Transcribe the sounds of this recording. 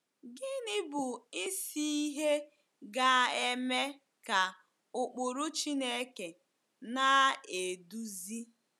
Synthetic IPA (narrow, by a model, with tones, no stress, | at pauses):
ɡɪ˦nɪ˦bʊ˨ɪ˦si˦i˦ɦe˦ | ɡa˦e˦me˦ | ka˨ | ʊ˨k͡pʊ˨ɾu˦t͡ʃi˦ne˦ke˨ | na˦e˨du˦zi˦